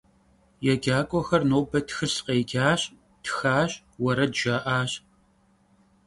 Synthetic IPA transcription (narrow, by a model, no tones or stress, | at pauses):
jɛɡʲaːkʷʼɔxɐrnoːbɐtxɨsqeːɡʲaːɕ | txaːɕ | wɐɾɐdʒ̥ɐʔaːɕ